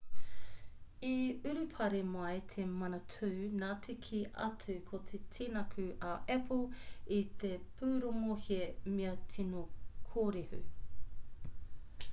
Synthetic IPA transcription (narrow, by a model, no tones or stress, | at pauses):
iʉɾʉpʰɐɾemoɐjt̪ʰemɐnɐtʰʉːnaːtʰikʰiʔɐ̰t͡sʉkʰot̪ʰetʰinɐkʰʉʔɐʔɛpʰolit̪epʰʉːɾoŋohiemeɐtʰinokʰoːɾehʉ̰